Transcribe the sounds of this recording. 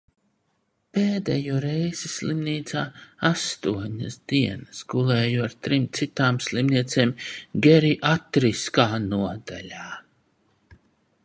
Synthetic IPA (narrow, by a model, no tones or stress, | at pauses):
peːd̪ɛjuɔɾɛjz̥islˠimniːt̪saːast̪uɔɲasd̪iɛnəsɡulˠeːjuaɾt̪ɾimt̪sit̪aːmslimniɛt̪seːmɡʲɛɾiʔat̪ɾiskaːnuɔd̪a̰lʲaː